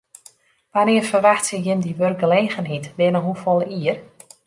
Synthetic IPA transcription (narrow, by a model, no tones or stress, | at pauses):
ʋanɪəfərʋaxtsəjɪmdiʋørk̚ɡəleːɣənɦitʋɪnəɦufɔlˠəiər